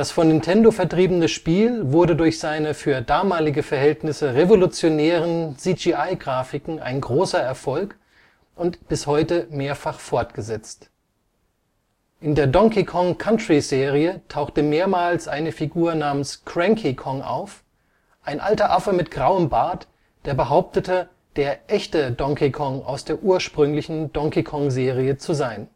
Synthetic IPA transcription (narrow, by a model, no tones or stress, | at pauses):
d̥asfɔnːɪntʰɛndofɛɐtʁ̥iːbənəʃpiːlvʊɐdədʊɐçz̥aɪnəfyːɐdaːmaːlɪɡəfɛɐhɛltnɪsəʁevolut͡sjonɛːʁ̞ənsid͡ʒiʔaɪɡʁaːfɪkŋ̩a̰ɪnɡʁoːsɐɛɐfɔlk | ʔʊntb̥ɪshɔʏtəmeːɐfaχfɔɐtɡ̥əzɛt͡st | ʔɪndeːɐdɔŋkikʰɔŋkʰantʁ̥izeːʁiətʰaʊxtəmeːɐmaːlsʔaɪnəfiɡuːɐnaːmənskʰʁ̥ɛŋkʰikʰɔŋʔa̰ʊf | ʔaɪnʔa̰ltɐʔafɐmɪtɡ̥ʁaʊəmbaːt | d̥eːɐbəɦaʊp̚tətə | d̥eːɐʔɛçtədɔŋkʰikʰɔŋʔa̰ʊsd̥eːɐʔuːɐʃpʁ̥ʏŋlɪçn̩dɔŋkikʰɔŋzeːʁ̞iət͡suzaɪn